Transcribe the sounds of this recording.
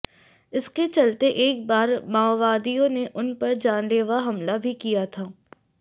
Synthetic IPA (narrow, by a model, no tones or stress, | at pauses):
ɪsket͡ʃɐlt̪eʔeːk̚baːɾmaːʋaːd̪ijõneʔʊnpɐɾd͡ʒaːnleːʋaɦɐmlabʱikijat̪ʰaː